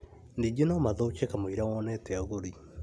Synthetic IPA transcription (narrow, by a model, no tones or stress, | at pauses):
niɡenɔmaðout͡ʃekamoiɾawɔnɛtɛaɣoɾi